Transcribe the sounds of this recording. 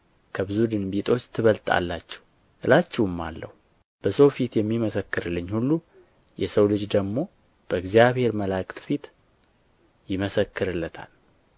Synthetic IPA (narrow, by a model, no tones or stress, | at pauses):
kʰəbɨzud̪ɨnbit̪ʼʰo̞t͡ʃːt̪ʰːɨβəlt̪ʼa̰lːat͡ʃːɛ̥w | ʔɨlat͡ʃːɛwɨmːalːə̰hu | b̥əsowfit̪jɛmːiməsəkːɨɾɨlːɨɲːhulːu | jɛsəwlɨd͡ʒd̪əɡmo̞ | b̥əɨɡzijaβhe̞ɾməlakʼt̪fit̪ | jɪməsəkːɨɾɨlːət̪ʰa̰l